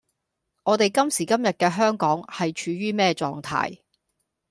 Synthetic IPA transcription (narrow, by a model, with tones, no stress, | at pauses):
ŋɔː˨˧t̪e˨jkɐ˥msiː˨˩kɐ˥mjɐ˨t̚kɛː˧ɦœː˥ŋkɔː˨˥ŋhɐ˨jt͡ʃʰyː˨˧ɥyː˥mɛː˥t͡sɔ̰ː˨ŋt̪ʰa̰ː˥j